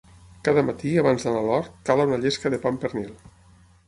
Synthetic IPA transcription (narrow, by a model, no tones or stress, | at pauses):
kaðəmat̪iaβanzðanalɔɾt̪̚kalaunaʎeskəðepampeɾnilˠ